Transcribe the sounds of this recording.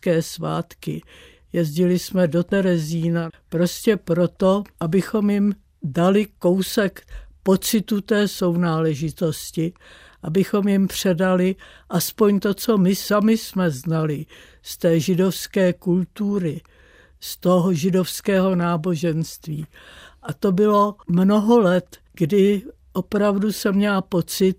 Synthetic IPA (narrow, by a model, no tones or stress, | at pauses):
kɛːsva̰ːt̪kɪ̰ | jɛzɟɪlɪsmɛdo̞t̪ɛɾɛziːnapɾo̞scɛpɾo̞t̪o̞ʔabɪxo̞mjɪm | dalɪko̞wsɛkpo̞t͡sɪt̪ut̪ɛːso̞wnaːlɛʒɪt̪o̞scɪ | ʔabɪxo̞mjɪmpr̝̥ɛdalɪʔaspo̞ɲt̪o̞t͡so̞mɪsamɪsmɛznalɪ | st̪ɛːʒɪdofskɛːkult̪uːɾɪ | st̪oɦoʒɪdo̞fskɛːɦo̞naːbo̞ʒɛnst̪viːʔat̪obɪlo̞mnoɦo̞lɛt̪ | ɡdɪ | ʔo̞pɾavdusɛmɲɛlapo̞t͡sɪt̪̚